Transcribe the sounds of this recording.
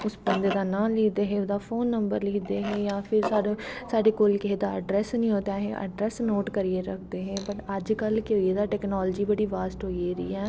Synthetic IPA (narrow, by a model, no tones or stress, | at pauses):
ʊsbə̃nd̪ed̪aːnãːliːd̪eːɦẽʊd̪aːfʰoːnːəmbəɾliːd̪eːɦɛ̃ːjaːpʰɪɾsaːɖsaːɖeːkolkeɦed̪aːə̰ɖɾɛːsnĩːɦoːt̪aɦɛ̰̃ʔə̰ɖɾɛːsnoːʈkəɾieɾəkʰd̪eːɦɛ̃ːbəʈəd͡ʒkəlkeoːed̪aːʈɛːknɔːlːd͡ʒiːbəɽiːʋaːsʈɦoːiɾḭːɦɛː